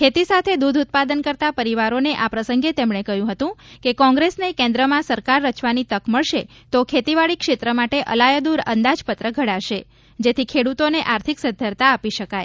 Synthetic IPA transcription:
kʰet̪isat̪ʰed̪ud̪ʱut̪̚pad̪ənkəɾt̪apəɾiʋaɾoneʔapɾəsəŋɡet̪emɳekəɦjũɦət̪ũkekɔ̃ŋɡɾesnekẽnd̪ɾəmãsəɾkaɾːət͡ʃʋanit̪əkməɭʃe | t̪okʰet̪iʋaɭikʃet̪ɾəmaʈeʔə̰lajəd̪uɾə̰nd̪ad͡ʒpət̪ɾəɡʱəɽaʃe | d͡ʒet̪ʰikʰeɽut̪oneʔaɾt̪ʰiksəd̪ʱjəɾt̪aːpiʃəkaj

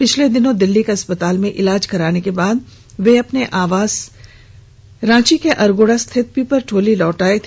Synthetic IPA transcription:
pɪt͡ʃʰled̪ɪnõd̪ɪlːikeɐspət̪aːlmẽʔɪlaːd͡ʒkɐɾaːnekebaːd̪̚ | ʋeɐpneʔaːʋaːz̥ | ɾãːt͡ʃikeʔɐɾɡoːɽast̪ʰɪt̪̚pipɐɾʈʰoːlilɔːʈaːet̪ʰ

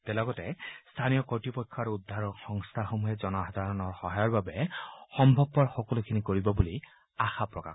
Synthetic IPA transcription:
tɛlɔɡɔtɛst̪ʰanijɔkɔɹtipɔjkʰːɔaɹuud̪ʱːaɹɔkxɔŋst̪ʰaxomuɦɛzɔnɔad̪ʱaɹɔnɔɹxɔɦajɔɹbabɛxɔmbʱɔbːɔɹxɔkɔlukʰinikoɹibɔbuli | axapɹɔka̰

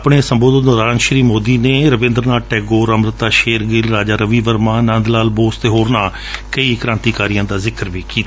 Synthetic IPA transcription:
pɳeːsəmboːd̪ət̪ɾaːənʃɾiːmoːd̪iːneːɾəʋɪ̃ːnd̪ɾənaːʈɛːɡoːɾəmɾət̪aːʃeːɾɡɪlɾaːd͡ʒaːɾəʋiːʋəɾmãːnə̃nd̪laːlboːst̪eɦoːɾnaː | kəiːkəɾãːnt̪iːkaːɾijãːd̪aːzɪkəɾʋiːkiːt̪ː

